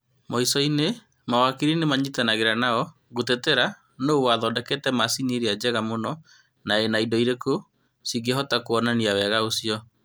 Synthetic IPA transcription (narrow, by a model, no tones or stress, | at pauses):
mɔisɔine | mawakiɾinemaɲitɛnaɣeɾanaɔ | ɣoteteɾa | noowaðɔːdɛkeːtɛmasineɾiad͡ʑɛɣamonɔ | naenaidɔiɾeko | siɡɛɦɔtakoɔnaniawɛɣaosiɔ